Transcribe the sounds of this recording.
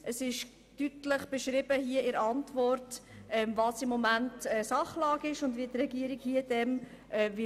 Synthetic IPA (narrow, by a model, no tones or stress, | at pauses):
ʔəsɪʃ | tytləχb̥əʃɾɪbəɦiəɪɾɑntvɔrtɛmvɑːsɪmːɔmæntɛːsɑχlɑːɡɪʃʊndviətrɛɡiəɾikhiəd̥ɛm | ʔɛvɪ